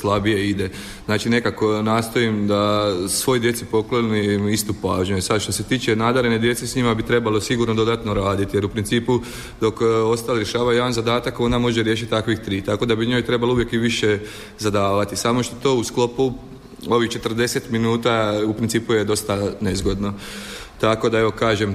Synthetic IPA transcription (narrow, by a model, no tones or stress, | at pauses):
slˠabije̞id̪e̞ | znaːt͡ʃine̞kako̞naːst̪o̞imd̪asʋo̞ːjd̪je̞t̪sipo̞klˠo̞niist̪upaʒɲujesad̪ʃt̪o̞se̞t̪iːt͡ʃe̞naːd̪aɾened̪je̞t̪sesɲimabit̪ɾe̞balo̞siɡuɾnod̪o̞d̪at̪no̞ɾaːd̪it̪ije̞ɾupɾint̪siːpu | d̪o̞ko̞st̪aliɾje̞ʃaːʋajued̪anzad̪aːt̪ako̞nd̪amo̞ʒeɾje̞ʃ̬it̪̚ʲt̪akʋixt̪ɾiːt̪ako̞d̪abiɲo̞jt̪ɾe̞balouʋjekiʋiʃe | zad̪aːʋat̪isaːmo̞ʃt̪ot̪o̞ːusklo̞pu | o̞ʋixt͡ʃe̞t̪r̩d̪e̞set̪minuːt̪aupɾintsiːpuje̞d̪o̞st̪anezɡo̞d̪no̞ | t̪ako̞d̪ae̞ʋo̞kaːʒem